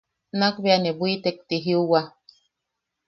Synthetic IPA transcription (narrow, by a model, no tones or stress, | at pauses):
nakbeanebuit̪ek̚t̪iɦiuwa